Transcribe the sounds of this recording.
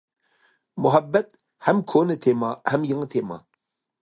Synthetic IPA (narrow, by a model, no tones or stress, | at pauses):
mʊɦɐbːɐt̪̚ | hɐmkʰoːnet̪ʰemaːhɐmjɐŋt̪ʰeːma̰ː